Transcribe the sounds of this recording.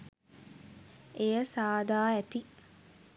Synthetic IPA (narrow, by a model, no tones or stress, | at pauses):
ejəsaːd̪aːæt̪i